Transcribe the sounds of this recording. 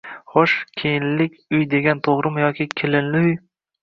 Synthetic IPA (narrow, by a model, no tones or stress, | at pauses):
χoʃkʲʰejɪnlɪkʲʊjd̪e̞ɡʲant̪ʰoʁɾɪmjɒkʲɪkʲʰɪlɪnlɪʊj